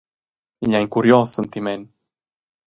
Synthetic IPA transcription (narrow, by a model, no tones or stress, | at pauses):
iʎaiŋkuɾjɔsːənt̪imen